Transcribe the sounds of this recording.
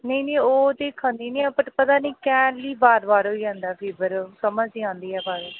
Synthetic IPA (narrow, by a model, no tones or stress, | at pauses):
nəiːnĩːoːd̪eːkʰːãːnd̪iːnĩːpəʈpət̪aːnĩːkɛːɳliːbaːɾbaːɾɦoːiːd͡ʒãːnd̪aːpʰiːbəɾkəmə̃d͡ʒiːãːnd̪iːɛːbaːɾː